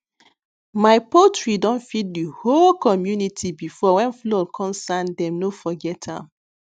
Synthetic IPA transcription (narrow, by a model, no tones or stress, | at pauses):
maɪpotɹidɔ̃nfit̚diholkɔmjunitʰibifɔwɛ̃nflɔlkʰɔ̃msãndɛ̃mnofɔɡɛtʰã̰m